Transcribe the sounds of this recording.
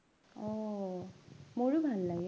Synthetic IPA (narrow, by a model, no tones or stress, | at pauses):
ɔ | moɹubʱalːaɡ